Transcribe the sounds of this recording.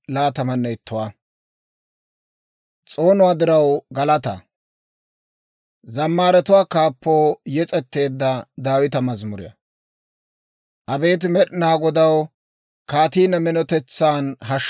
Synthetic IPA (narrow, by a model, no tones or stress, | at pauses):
laːt̪ɐmɐnːɛɪt̪ːʊwaː | t͡sʼo̞ːnʊwaːd̪ɪɾɐwɡɐlɐt̪ɐ̰ | zɐmːaːɾɛt̪ʊwaːkaːpːoːjɛt͡sʼɛt̪ːe̞ːd̪ːɐd̪aːwɪt̪ɐmɐzmʊɾɪ̰jɐ̰ | ʔɐbe̞ːt̪̬ɪmɛɗɪnaːɡɔd̪ɐw | kaːt̪iːnɐmɛnɔt̪ɛt͡sːaːnɦɐʃ